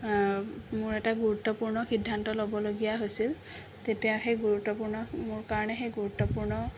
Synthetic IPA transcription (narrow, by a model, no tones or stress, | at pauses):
mʊɹɛtaɡuɹut̪ːɔpuɹnɔxidʱːantɔlobɔloɡijaɦojsil | t̪etijaxejɡuɹut̪ːɔpuɹnɔmʊɹkaɹɔnɛxejɡuɹut̪ːɔpuɹnɔ